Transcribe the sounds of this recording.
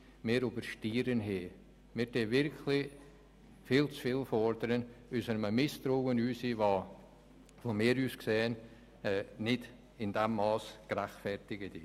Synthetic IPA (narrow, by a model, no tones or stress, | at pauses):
mɪːɾubəɾʃtiːɾənɦeː | mɪːɾdeːvɪɾkʰlɪ | fiːlt͡sfiːlfɔɾd̪əɾənysənməmɪst̪ɾowənyːsivɑ | vomɪːɾyːsksɛːən | ɛnɪd | ɪndɛmːɑːskɾaχtfɛrtɪɡətɪ